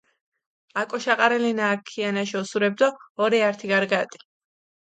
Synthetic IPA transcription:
akʼɔʃaqʼaɾɛlinaːkʰːianaʃiɔsuɾɛb̚d̪ɔːɾiaɾt̪ʰiɡaɾɡat̪ʼi̥

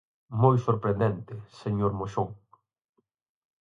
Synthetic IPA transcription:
mojsoɾpɾẽnd̪ɛnt̪ɪseɲoɾmoʃoŋ

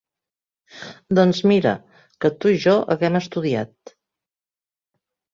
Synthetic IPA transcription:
d̪ɔnzmiɾə̰ | kət̪uiʒɔʔə̰ɣɛməst̪uðiat̪̚

